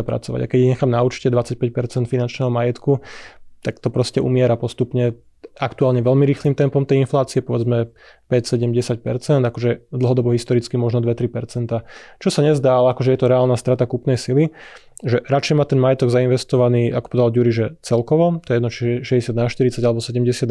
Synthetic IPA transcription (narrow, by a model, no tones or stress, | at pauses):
apɾa̰t͡sɔʋa̰ɟakɛɟiɲɛxaːmnaut͡ʃi̥cɛd̪ʋat͡sac̚pɛc̚pɛɾt͡sɛnt̪finant͡ʃnɛːɦɔmajɛt̪kut̪akt̪ɔpɾɔscɛʔṵmɪɛɾapɔst̪upɲɛ | akt̪uaːlɲɛʋɛʎmiɾiːxlimt̪ɛmpɔmt̪ɛjinflaːt͡siɛpɔʋɛd͡zmɛ | pɛcsɛɟɛmɟɛsac̚pɛɾt͡sɛnd̪akɔʒɛd̪l̩ˠɦɔd̪ɔbɔɦist̪ɔɾit͡skimɔʒnɔd̪ʋɛt̪ɾipɛɾt͡sɛnt̪at͡ʃɔsaɲɛzd̪aːalɛakɔʒɛjɛt̪ɔɾɛaːlnast̪ɾat̪akupnɛjsili | ʒɛɾat͡ʃɛjmaːt̪ɛnmajɛt̪ɔɡzainʋɛst̪ɔʋaniːʔakɔ̥pɔd̪d̪aluɾiʒɛt͡sɛlkɔʋɔt̪ɔjɛjɛd̪nɔt͡ʃiɛʃɛɟɛsad̪naʃt̪iɾit͡saɟalɛbɔsɛɟɛmɟɛsɪad̪